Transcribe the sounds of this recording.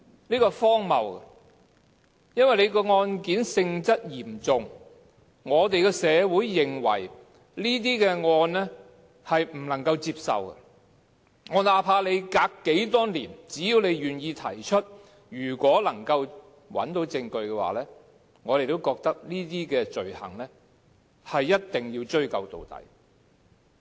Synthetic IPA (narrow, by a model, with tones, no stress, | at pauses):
liː˥kɔː˧fɔː˥ŋmɐ̰˨wkɐ̰˧ | jɐ˥nwɐ˨jle˨˧jkɔː˧ŋɔː˧nkiː˨˥nsɪ˧ŋt͡sɐ˥t̚jiː˨˩mt͡sʊ˨˧ŋ | ŋɔː˨˧t̪e˨jkɛː˧sɛː˨˧wuː˨˥jːɪ˨ŋwɐ̰˨˩j | liː˥t̪̬iː˥kɛ˧ŋɔː˧nlɛ˥ | hɐ˨jm̩˨˩lɐ˨˩ŋkɐ˧wt͡siː˧p̚sɐ̰˨wkɛ̰˧ | ŋɔː˨˧naː˨˧pʰaː˧le˨˧jkaː˧kːe˨˥jt̪ɔː˥ŋliː˨˩nt͡siː˨˥jiː˨˧wne˨˧jɥyː˨˩njiː˧t̪ʰɐ̰˨˩jt͡ʃʰɵ˥t̚ | jyː˨˩kʷɔː˨˥lɐ˨˩ŋkɐ˧w | wɐ̰˨˥nt̪o˨˥wt͡sɪ˧ŋkɵ˧ɥkɛː˧wa̰ː˨˩lɛː˥ | ŋɔː˨˧ɾe˨jt̪o˥wkɔː˧k̚t̪ɐ˥k̚liː˥t̪iː˥kɛː˧t͡ʃɵ˨ɥhɐ̰˨˩ŋlɛː˥ | hɐ˨jːɐ˥t̚t̪ɪ˨˩ŋjiː˧wt͡ʃɵ˥ɥkɐ˨˧wt̪o̰˨wt̪ɐ̰˨˩j